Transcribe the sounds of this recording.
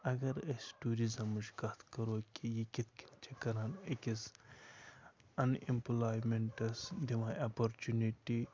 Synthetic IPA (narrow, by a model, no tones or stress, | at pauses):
ɐɡɐɾɐsʈuːɾizɐmːuʃkɐt̪ʰkɐɾoːkijikit̪ʰki̥nt͡ʃʰekɐɾaːnekis | ɐnḭmplaːjmeɳʈɐsd̪imaːapoɾt͡ʃuniʈi